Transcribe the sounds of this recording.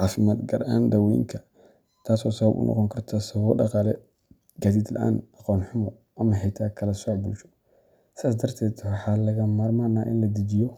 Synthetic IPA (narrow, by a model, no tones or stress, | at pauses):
ʕɑːfɪmaːd̪ɡɐrʔaːnd̪ɐwɛ̰ŋkʰɐ | t̪ʰaːsɔːsɐβɐbʊ̰nʔɔ̰qɔŋkʰɐrt̪ʰasɐβɔːdɑ̰qɑːlɛ | ɡaːd̪iːd̪lɐ̰ʔa̰ːnɑqɔːnħʊmɔ | ʔɐmɐɦɛjt̪ʰaːkʰɐlɐsɔːʕbṵːʃɔ̥ | sɪðaːsd̪ɐrt̪ʰɛːd̪wɑħɑːlɐɣɐmaːrmaːnaːʔɪ̰nlɐd̪id͡ʒɪjɔ